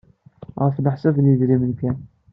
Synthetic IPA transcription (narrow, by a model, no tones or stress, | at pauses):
ʁəfləħsævniðɾimənkæn